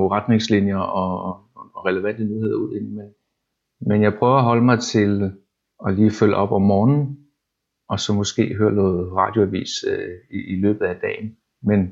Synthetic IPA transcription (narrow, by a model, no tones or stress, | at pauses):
ʁɑ̈d̥ne̝ŋslinjɐɒ̽ | ʁɛləʋæn̰d̥ənyhe̝ðˠɐuð̰ˠe̝n̩men | menjɑ̈ɪpʰʁœːʊɐɒ̽ɦɒ̽ləmɑ̈ɪt͡sʰe̝l | ɒ̽liːføl̰əɒ̽b̥ɒ̽mːɒːnn̩ | ɒ̽sɒ̽mɔ̽sɡ̥e̝̰ːɦøːɐnɔːð̩ˠʁɑ̈d̥jo̝æʋḭːsiilø̰ːb̥ð̩ˠæd̥ɛ̰ːɪn̩ | men